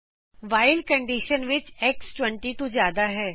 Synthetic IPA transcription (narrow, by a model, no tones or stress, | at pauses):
ʋaːɪlkə̃ɳɖɪʃənʋɪt͡ʃɛksʈʋə̃ɳʈit̪ozjaːd̪aɦɛː